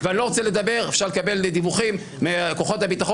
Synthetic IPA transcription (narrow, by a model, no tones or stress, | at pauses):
vallo̞ʁot͡sele̞d̪abe̞ʁefʃaʁlekabe̞led̪ivuχimːeakoχo̞t̪habit̪aχo